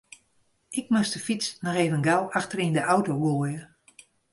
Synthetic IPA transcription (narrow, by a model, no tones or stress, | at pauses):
ɪk̚mʊstəfit͡snɔxeːvənɡalˠaxtərindəʔawtowɡoəjə